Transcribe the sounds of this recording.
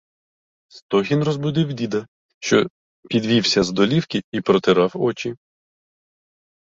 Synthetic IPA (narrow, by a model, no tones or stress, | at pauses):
st̪ɔɦʲinrɔzbʊd̪ɪwd̪ʲid̪ɐ | ʃt͡ʃɔ | pʲid̪ʋʲiwsʲɐzd̪ɔlʲiwkʲɪipɾɔt̪ɪɾɑwɔt͡ʃi